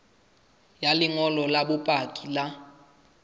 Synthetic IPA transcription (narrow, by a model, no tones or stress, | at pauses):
jalɪŋɔlɔlabʊpʼakʼila